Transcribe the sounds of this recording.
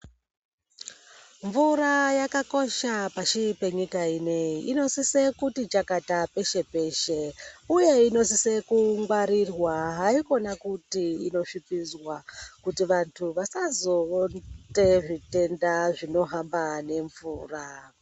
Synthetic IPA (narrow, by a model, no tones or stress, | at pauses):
ɱvurajakako̞ʃapaʃipe̞ɲikaine̞iʔino̞sise̞kutit͡ʃakatape̞ʃe̞pe̞ʃeuje̞ino̞sise̞kuŋɡwaɾirwaɦaiko̞nakutiino̞ʂipizwakutiʋantʰuʋasazo̞nte̞ʐite̞ndaʐino̞ɦambane̞ɱvuːra